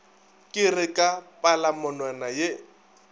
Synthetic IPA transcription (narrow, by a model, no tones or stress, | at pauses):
kʼɪrɪkʼapʼalamʊnwanaje